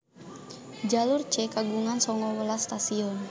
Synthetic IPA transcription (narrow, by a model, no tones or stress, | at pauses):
d͡ʒalurt͡ʃɛkaɡuŋansɔŋɔwəlast̪asiɔn